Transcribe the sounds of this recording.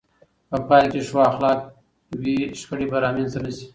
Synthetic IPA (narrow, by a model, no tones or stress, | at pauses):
pəpɑjkeʂwɑxlɑːk̚ | wiʃkəɽibaɾɑːmenzt̪anasi̥